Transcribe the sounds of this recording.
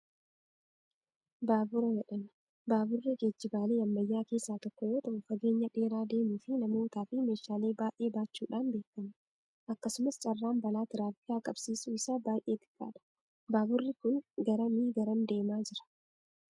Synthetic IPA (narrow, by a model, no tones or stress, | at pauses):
baːbʊɾɐd͡ʒɛᶑɐn | baːbʊrːɪd͡ʒed͡ʒːɪbaːleːɐmːɐjːaːke̞ːsːaːt̪ɔkːɔjoːt̪ɐʔʊfɐɡe̞ːɲːɐᶑe̞ːɾaːd̪e̞ːmuːfɪnɐmo̞ːt̪aːfɪme̞ːʃːaːle̞ːbaːjʔe̞ːbaːt͡ʃːuːᶑaːnbe̞ːkːɐm | ʔɐkːɐsʊmɐst͡ʃʼɐrːaːmbɐlaːt̪ɪɾaːfɪjaːkʼɐbsiːsʊɪsaːbaːjʔe̞ːt̪ɪ̥kʼːa̰ːᶑɐ̥ | baːbʊrːɪkʊŋɡɐɾɐmiːɡɐɾɐnd̪e̞ːmaːd͡ʒɪɾɐ̥